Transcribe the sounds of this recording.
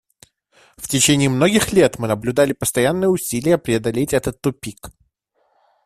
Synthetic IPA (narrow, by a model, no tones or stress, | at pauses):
ftʲɪt͡ɕenʲɪːmno̞ɡʲɪxlʲe̞t̪mɨnəblʲʊd̪alʲɪpəst̪ɐjanːɨjəʊsʲilʲɪjəpɾʲɪɐd̪ɐlʲetʲɛt̪ət̪ːʊpʲik